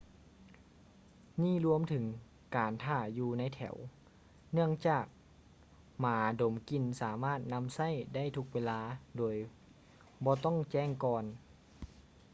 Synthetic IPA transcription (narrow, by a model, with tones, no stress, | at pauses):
niː˥˩˨lu˧əmt̪ʰɯ˨˩˦ŋ | kaː˨˩nt̪ʰaː˧˩juː˧na˧˥jt̪ʰɛ̰˨˩˦w | nɯ˥˩əŋt͡ɕaː˨˩k̚ | maː˨˦do˨˩˦mki˧nsaː˩˦maː˥˩t̪̚na˧˥msa˥˨jda˥˩˨jt̪ʰu˧˥k̚weː˧laː˧˥doː˨˩j | bɔː˧t̪ɔ˥˩ŋt͡ɕɛː˥˩ŋkɔː˧n